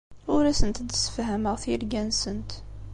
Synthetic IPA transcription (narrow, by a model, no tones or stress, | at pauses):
wlæsənt̪d̪ə̥sfhæməʁθilɡænsənt̪